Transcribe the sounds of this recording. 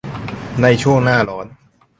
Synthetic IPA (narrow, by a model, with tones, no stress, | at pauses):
na˧jt͡ɕʰu˥˩əŋnaː˥˩lɔː˨˦˥n̚